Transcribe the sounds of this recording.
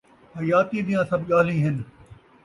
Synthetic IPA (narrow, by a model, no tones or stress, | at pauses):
hɐjaːt̪id̪ijãsɐbɠaːɦlĩːɦɪn